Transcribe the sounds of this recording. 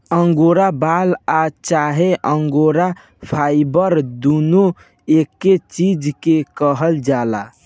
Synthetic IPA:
əŋɡoɾabalat͡ʃaɦeʔəŋɡoɾa | pʰajbəɾd̪uno | ekːet͡ʃid͡ʒkekəɦəld͡ʒala̰

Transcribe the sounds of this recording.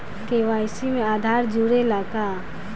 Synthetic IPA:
keʋajsimẽaːd̪ʱaːɾd͡ʒuɽelaːka

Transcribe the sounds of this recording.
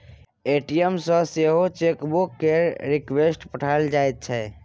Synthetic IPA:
eʈiemsə̃seɦot͡ʃekbukːeɾikwesʈpəʈʰald͡ʒajt̪̚t͡ʃʰɛ

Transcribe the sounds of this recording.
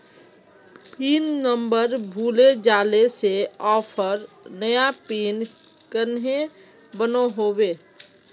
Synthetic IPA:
piːnːəmbəɾbʱuːled͡ʒaːleseɔːpʰəɾ | nəjapiːn | kənɦe | bənoɦobeː

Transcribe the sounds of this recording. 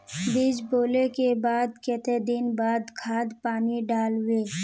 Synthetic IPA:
biːd͡ʒboːlekebaːd̪kɛːt̪ed̪ɪnbaːd̪kʰaːd̪paːniɖaːlweː

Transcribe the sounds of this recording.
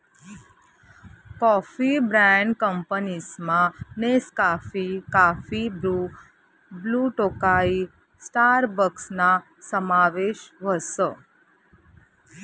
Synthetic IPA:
kɔfibɾɛ̃ɳɖkəmpənismãneskafikafibu | bluʈokai | sʈaɾbəksna | səmaʋeʃʋəsə

